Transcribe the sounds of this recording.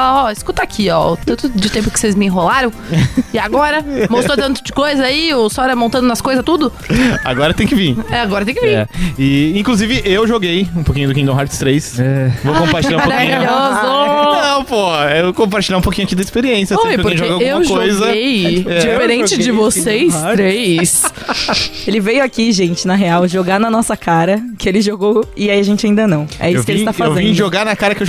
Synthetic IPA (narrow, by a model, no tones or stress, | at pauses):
alaɔɪskut̪akʰiɔt̪ɐ̃nt̪ʊd͡ʒɪt̪ẽmpʊkɪ̥sejzmɪĩɦolaɾɐ̃w̃ɪaɡɔɾɐmost̪ot̪ɐ̃nt̪ʊd͡ʒɪkojzɐaiowsɔɛɾɐmõnt̪ɐ̃nd̪ʊnɐskojzɐt̪ud̪ʊ | a̰ɡɔɾɐt̪ẽj̃kɪvĩɾɛaɡɔɾɐt̪ẽj̃kɪvĩɾɛ̰ɪĩkluzivɪʔewʒoɡejũpokĩɲʊd̪ʊkĩd̪õw̃haɾt͡ʃst̪ɾejsɛvowkkõpaɾt͡ʃiʎãɾpoɾkĩɲzonɐ̃w̃pohɐewkõp̬aɾt͡ʃilʎaɾũpokĩɲʊakĩd̪ɐispeɾiẽsjɐsopɾkẽʒɡɐawɡuewmɐʒkojzɐejɛd͡ʒifeɾẽt͡ʃɪd͡ʒɪvosejsɾejs | elɪvejʊakiʒẽnt͡ʃɪnɐɦeawʒoɡanɐnɔsɐkʰaɾɐkɪelɪʒoɡowɪaiɐʒẽnt͡ʃɪaĩnd̪ɐnɐ̃w̃ɛ̰isʊ̥kɪelɪt̪afazewṽĩʒoɡaɾnɐkaɾɐkɪew